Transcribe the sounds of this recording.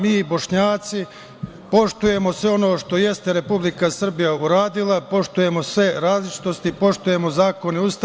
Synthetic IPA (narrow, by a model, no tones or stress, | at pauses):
miːbo̞ʃɲaːt̪si | po̞ʃt̪uje̞mo̞sʋeo̞no̞ːʃt̪o̞je̞st̪e̞ɾe̞publikasr̩bijauɾaːd̪ilapo̞ʃt̪uje̞mo̞sʋe̞ɾaːzlit͡ʃi̥t̪o̞st̪ipo̞ʃt̪uje̞mo̞zaːko̞niust̪